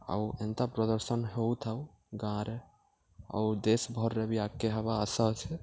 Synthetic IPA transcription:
ə̰ẽnt̪apɾəd̪əɾsənɦewt̪ʰəu | ɡãɾe | a̰ud̪esbʱɔɾːebiakːeɦɛbaəsət͡ʃʰɛ

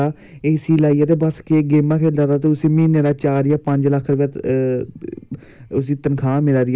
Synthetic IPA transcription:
aː | eːsiːlaːiːaːt̪eːbəskeːɡeːmãːkʰeːaːt̪aːt̪eːʊseːmĩːneːɾaːt͡ʃaːɾɪjaːpəɲd͡ʒləkʰːɾəʋaːt̪ | ʊs̬iːt̪ənkʰãːmɪlaːɾɪ

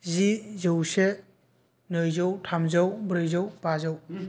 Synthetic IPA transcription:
zizɯwse | nɯjzɔwtʰamzawbɾɯjzawbazaw

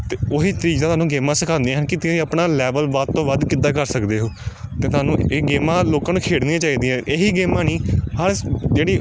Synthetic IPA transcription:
t̪eːoːɦiːt̪əɾiːd͡ʒ̪aːt̪ʰaːnũːɡeːmaːsəkʰãːnd̪ẽãːɦənkɪt̪ːiːəpnaːlɛːʋəlʋat̪t̪õːʋəd̪kɪd̪aːkəɾsəkd̪eːɦoːt̪eːt̪ʊaːnũːeːɡeːmãːloːkãːnũːkʰeːɽniãːt͡ʃaːiːd̪iːɛ̃ːʔeːɦiːɡeːmãːnĩːhəɾd͡ʒeːɽiː

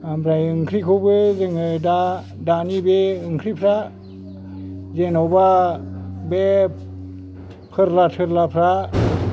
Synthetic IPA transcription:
ampɾajɯŋkʰɾikʰubezeŋəda | danibeɯŋkʰɾipʰɾa | zenoba | bɛ | pʰəɾlatʰɯɾlapʰɾa

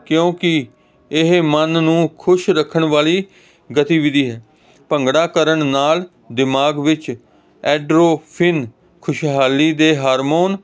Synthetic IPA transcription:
kjõːkɪ | ɪɦmənnũːkʰʊʃɾəkʰːəɳʋaːliː | ɡət̪iːʋɪd̪iːɦɛː | pəŋɡɽaːkəɾəɳnaːl | d̪ɪmaːɡʋɪt͡ʃ | ɛːɖɾoːpʰɪn | kʰʊʃɦaːliːd̪eːɦaːɾmoːn

